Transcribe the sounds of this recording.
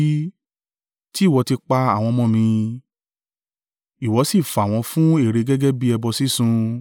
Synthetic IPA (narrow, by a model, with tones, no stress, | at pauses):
ti˦˨wɔ˧ti˧k͡pa˧a˦˨w̃ɔ̃˧mɔ̃˧mĩ˧ | i˨wɔ˨˦si˦˨fa˨w̃ɔ̃˧fũ˦e˦˨ɾe˧ɡɛ˦ɡɛ˦bi˦ɛ˧bɔ˧si˦sũ˧